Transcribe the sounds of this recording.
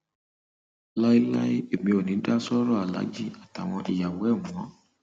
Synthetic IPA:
la˦i˦la̰˦i˦e˨mĩ˧o˨nĩ˨˦da˦sɔ˦ɾɔ˦a˨la̰˨˦d͡ʒi˦a˨ta˨w̃ɔ̃˧ʔi˨ja˨wɛ˨˦˨mũ˨ɔ̃˨˦

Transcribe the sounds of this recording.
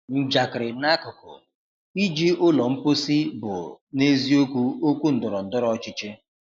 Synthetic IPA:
n̩˦d͡ʒa˨kɪ˨ɾɪ˨na˦kʊ˨kʊ̰˨ | i˦d͡ʒi˦ʊ˦lɔ˨m̩˦po˦si˦bʊ̰˨ne˦zi˦o˦kʷu˦o˦kʷu˦n̩˨dʊ˨ɾɔ˨n̩˨dʊ˦ɾɔ˦t͡ʃɪ˦t͡ʃɪ˦

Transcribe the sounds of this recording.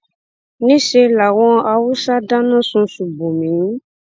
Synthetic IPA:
nĩ˦ʃe˧la˨w̃ɔ̃˧a˧wu˦sa˦dã˦nã˦˨sũ˧su˨bo˨mĩ˨˦

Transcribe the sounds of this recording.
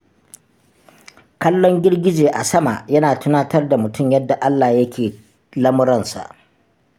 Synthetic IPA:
kɐ˦lːɔ˦ŋɡʲɪ˦rɡʲɪ˦d͡ʒeː˨ʔa˨sɐ˦ma˨jɐ˦naː˨tʊ˦naː˦tɐ˦rda˨mʊ˨tʊ˦˨mjɐ˦dːa˨ʔa˦lːaː˨jɐ˦kʲʰeː˨ | lɐ˦mʊ˦ɾɐ˦˨nsa̰˨ʔ

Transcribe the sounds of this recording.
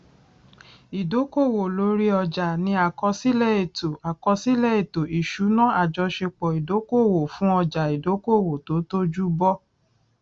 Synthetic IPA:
i˨do˨˦ko˦˨wo˨lo˨˦ɾi˦ɔ˧d͡ʒa˨nĩ˧˦a˨kɔ˧si˦lɛ˦˨e˨to˨a˨kɔ˧si˦lɛ˦˨e˨to˨i˨ʃu˨˦nã˦a˨d͡ʒɔ˧˦ʃe˧k͡pɔ˨i˨do˨˦ko˦˨wo˨fũ˨˦ɔ˧d͡ʒa˨i˨do˨˦ko˦˨wo˨to˨˦to˦d͡ʒu˦bɔ˦

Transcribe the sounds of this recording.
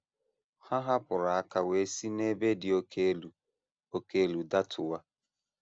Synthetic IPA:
ha˦ɦa˦pʊ˨ɾa˨a˦ka˨we˨˦si˦ne˦be˦dɪ˨o˦kʰe˦lu˨ | o˦ke˦e˦˨lu˨da˦tʰʊ˨wa˦

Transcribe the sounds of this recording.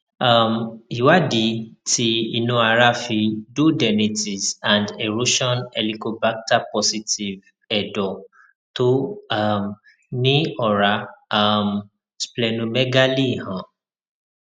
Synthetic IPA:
a˦˨mi˨wa˦di˨˦ti˧i˧nũ˧a˧ɾa˦fi˧du˦dɛ˨ni˧ti˨sã˨nde˨ɾo˦ʃɔ̃˦nɛ˨li˧ko˧ba˦k̚ta˦pɔ˧si˧ti˨v | ɛ˨dɔ˨ | to˦a˦m | nĩ˦ɔ˨ɾa˨˦a˦m | splɛ˨nũ˧mɛ˦ɡa˦li˦˨hã˨˦

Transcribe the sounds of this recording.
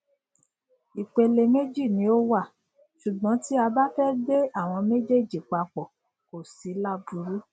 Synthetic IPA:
i˨k͡pe˧le˧me˦d͡ʒi˦˨nĩ˧˦o˦wa˦˨ | ʃu˨ɡ͡bɔ̃˨˦ti˦a˧ba˦fɛ˦de˦a˦˨w̃ɔ̃˧me˦d͡ʒe˦˨d͡ʒi˨k͡pa˧k͡pɔ˨ | ko˨si˨˦la˦bu˧˦ɾu˦

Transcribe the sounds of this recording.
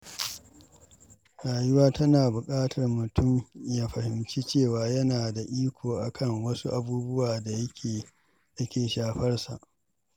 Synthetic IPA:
ɽaː˨jʊ˦waː˦tɐ˦naː˨bʊ˨kʼaː˦tʰɐ˨rmʊ˨tʰʊ˦˨mjaː˦ɸɐ˨hɪ˨mt͡ʃi˦t͡ʃeː˦˨waː˦jɐ˦naː˨da˨ʔiː˦kʷʰoː˨ʔa˨kʰɐ˦˨ŋwɐ˦su˦ʔa˦˨buː˦bʊ˦waː˨da˨jɐ˦kʲʰeː˨ | jɐ˦kʲeː˨ʃaː˨ɸɐ˦rsa̰˨ʔ

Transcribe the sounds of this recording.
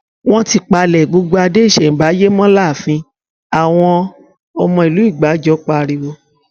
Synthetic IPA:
w̃ɔ̃˦ti˧k͡pa˧lɛ˨ɡ͡bo˧ɡ͡bo˧a˧de˦˨ʃɛ˨m̩˨˦ba˨˦je˦mɔ̃˦la˦˨fĩ˧ | a˨w̃ɔ̃˧ | ɔ˧mɔ̃˧i˨lu˨˦i˦˨ɡ͡ba˨˦d͡ʒɔ˨˦k͡pa˧ɾi˧wo˧

